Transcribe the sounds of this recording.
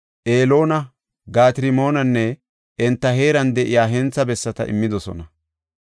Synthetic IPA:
ʔeːlo̞ːnɐ | ɡaːt̪ɪɾɪmo̞ːnɐnːɛ | ʔɛnt̪ːɐɦe̞ːɾɐnd̪ɛʔɪjaːɦɛnt͡sːɐbɛsːɐt̪ɐ̰ʔɪ̰mːɪd̪ɔsɔ̰nɐ

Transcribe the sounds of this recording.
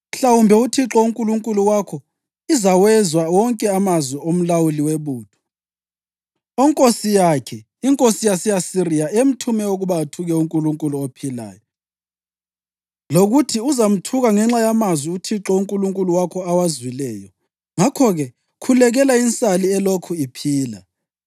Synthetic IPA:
m̩ɬawumbʱɛutʰiǁɔuŋkʼuluŋkʼuluwakʰɔ | izawɛzwawɔŋkʼɛamazwiom̩lawuliweβuːd̥ʰʱɔ̥ | ɔŋkʼosijakʰɛ | iŋkʼosijasijasirijaʔem̩tʰumɛoɣuβatʰuɣɛuŋkʼuluŋkʼuluopʰila̰ːjɔ | loɣutʰiuzam̩tʰuɣaŋɛŋ͡ǁajamazwiutʰiǁɔuŋkʼuluŋkʼuluwakʰɔawazwilɛːjɔ̰ | ŋakʰɔɣɛ | kʰulɛɣɛlaint͡sʼaliɛlokʰuipʰiːla̰

